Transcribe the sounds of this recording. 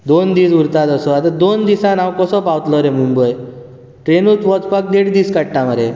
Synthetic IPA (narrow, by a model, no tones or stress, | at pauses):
d̪ond̪iːsuɾt̪at̪əsɔat̪ad̪ond̪isãnawkɔsɔpawt̪lɔɾɛmumbəj | ʈɾenuːt̪ʋɔd̪pak̚d̪eɽd̪iːskaɽ̚ʈaməɾe